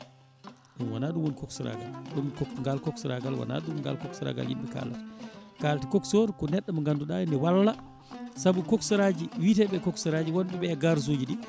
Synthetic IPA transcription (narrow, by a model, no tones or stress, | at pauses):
ɗumwanaɗumwonkɔksuɾa̰ɡa̰lɗumkɔŋɡalkɔksuɾa̰ɡalwa̰na̰ɗumŋɡa̰lkɔksuɾa̰ɡa̰ljḭmɓɛka̰ːlati̥kalatikɔksoɾkɔnɛɗːamɔŋɡanduɗajnɛwalːa | sabukɔksuɾad͡ʒiwitɛɓɛkɔksuɾad͡ʒiwɔnɓɛɓɛɡaɾs̬uːd͡ʒiɗi